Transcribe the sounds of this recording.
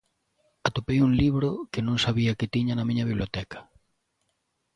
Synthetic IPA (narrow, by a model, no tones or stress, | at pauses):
at̪opejuŋliβɾokenõŋsaβiɐkɪt̪iɲɐnɐmĩɲɐβiβliot̪ɛkɐ̥